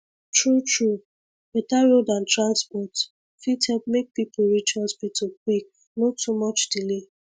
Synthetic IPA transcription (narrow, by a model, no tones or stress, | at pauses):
tɹutʰɹu | b̥ɛtaɹodãntɹãnspɔt | fithɛp̚mek̚pipoɹit͡ʃɔsbitʰuk̚wik̚ | nɔtːumɔt͡ʃdile